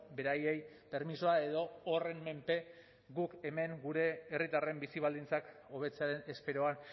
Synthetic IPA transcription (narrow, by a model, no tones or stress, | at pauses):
be̞ɾaje̞j | pe̞ɾmisoae̞ðo̞ːre̞mme̞mpe̞ | ɡuke̞me̞ŋɡuɾe̞ːrit̪are̞mbisiβ̞ald̪int͡sako̞β̞e̞t͡seaɾe̞ne̞spe̞ɾoan